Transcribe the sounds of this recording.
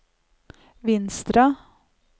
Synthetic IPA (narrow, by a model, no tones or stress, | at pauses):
ʋɪnst̪ɾɑ